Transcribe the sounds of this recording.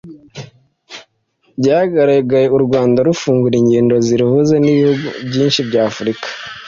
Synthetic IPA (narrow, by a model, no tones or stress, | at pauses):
bɟahaɡaɾaɡaje̞uɾɡwaːndaɾufuːŋɡuɾiɲɟiːndo̞ziɾihuzeniβihuɡubɟiːnʃibɟaːfuɾikḁ